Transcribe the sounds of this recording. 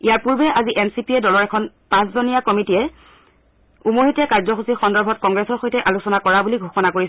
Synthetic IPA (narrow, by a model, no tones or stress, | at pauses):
ijaɹpuɹbɛʔaziʔɛnsipiɛdɔlɔɹɛkʰɔn | pãszonijakɔmitiɛ | umoɦitɛkaɹzɔxusixɔndɔɹbʱɔt̚kɔŋɡɹɛsɔɹxojtɛʔalusɔnakɔɹabuliɡʱuxɔnakoɹisɛ